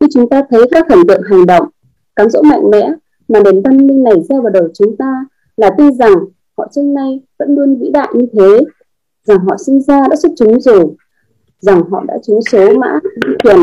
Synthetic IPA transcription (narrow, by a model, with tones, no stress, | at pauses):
ɲɨ˧t͡ɕʊ˨˦ŋ͡mt̪aː˧t̪ʰə˨˦jkaː˦˥k̚xə˧˩ŋ̟t̪ɨ̰˧˨əŋɦa˨˩jŋ̟ɗə̰˧˨wŋ͡m | kaː˨˦mzo̰˧˥ma̰˧˨jŋ̟mɛ̰˧˥ | maː˨˩ɗe˨˦nvə˧nmï˧ŋna˨˩jsɛ˧wvaː˨˩ɗə˨˩wt͡ɕʊ˨˦ŋ͡mt̪aː˧ | laː˨˩t̪i˧nza˨˩ŋ | hɔ̰˧˨t͡ɕə˧ŋna˧jvə̰˧˥nlu˧ənvḭ˧˥ɗa̰ː˧˨jɲɨ˧t̪ʰe˨˦ | za˨˩ŋɦɔ̰˧˨sï˧ŋzaː˧ɗa̰ː˧˥su˦˥t̚t͡ɕʊ˨˦ŋ͡mzo˨˩ | za˨˩ŋɦɔ̰˧˨ɗa̰ː˧˥t͡ɕʊ˨˦ŋ͡mso˨˦ma̰ː˧˥˨zi˧ŋt̪ʰwi˧˩ən